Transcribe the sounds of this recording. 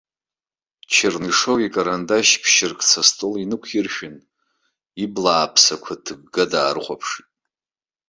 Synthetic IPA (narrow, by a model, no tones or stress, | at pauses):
t͡ʃʰɪrniʂowikʼaɾandaʃpʰʃɪrkʰʼt͡sʰastʼolinɨkʷʰirʃᶣɪn | iblaːpʰsakʷʰatʰɨɡ̚ɡadaːrχʷa̰pʰʂtʼ